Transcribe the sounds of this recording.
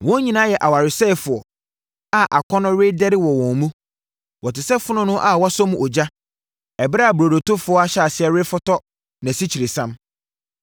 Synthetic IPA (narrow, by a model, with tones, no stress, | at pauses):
wɔ̃˦ɲĩ˨nã˦jɛ˨ʔa˨wa˨ɾɪ˨sɛ˦˨fʊ˨ɔ˨ | a˦ʔa˨kʰɔ˦nʊ̃˦ɾɪ˦dɛ˦ɾɪ˦wɔ˨wɔ̃˨nmũ˦ | wɔ˨tɪ˨sɛ˦fʊ˦nʊ̃˦nʊ̃˦ʔa˨wɔ˦sɔ˦mũ˨ʔɔ˨d͡ʑa˦ | ɛ˨ba˦a˨bɾo˨do˨tʊ˦fʊ˦ɔ˦a˦ɕa˨sɪ˨ɛ˦ɾɪ˦fʊ˦tʰɔ˦ | nã˨si˦t͡ɕʰi˨ɾe˨sã˦m